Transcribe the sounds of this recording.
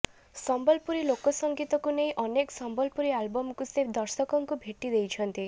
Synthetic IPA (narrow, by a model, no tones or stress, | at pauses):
sɔmbɔlpuɾilokɔsɔŋɡit̪ɔkuneĩʔɔneksɔmbɔlpuɾialbɔmkused̪ɔɾsɔkɔŋkubʱeʈid̪ejt͡ʃʰɔnt̪i